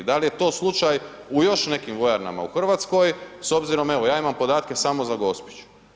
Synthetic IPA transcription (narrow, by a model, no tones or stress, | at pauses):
d̪alije̞t̪o̞ːslˠut͡ʃajujo̞ʃne̞kimʋo̞jaɾna̰ma̰ṵxr̩ʋaːt̪sko̞jso̞bziɾo̞me̞ʋojaːimampo̞d̪aːt̪ke̞samo̞zaɡo̞spi̥t͡ʃu̥